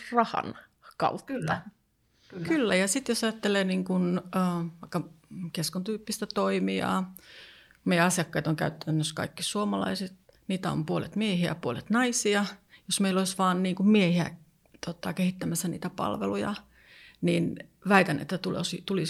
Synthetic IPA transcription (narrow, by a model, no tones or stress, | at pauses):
rɑhɑ̰n | kɑ̰u | kylːæjɑsit̪josɑjɑt̪ːeleːniːŋkunːʋɑikːɑkeskont̪yːpːist̪æt̪oimiɑ̰ː | meijæɑsjɑkːɑit̪oŋkæyt̪ːænːøskɑ̰ikːisuomɑlɑ̰iset̪ | niːt̪æo̰mpuolḛt̪miehiæ̰puolet̪nɑisiɑjosmeiloisʋɑːnniːŋkummiehiæ̰ | t̪ot̪ɑkehit̪ːæmæsːæniːt̪æpɑ̰lʋḛlujɑ̰ | nin | ʋæit̪ænʔḛt̪ːæt̪ulosit̪uli